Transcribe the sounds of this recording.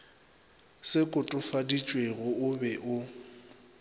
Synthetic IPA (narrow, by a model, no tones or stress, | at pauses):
sɪkʼʊtʼʊfadit͡ʃʼweɣʊʊbɛʔʊ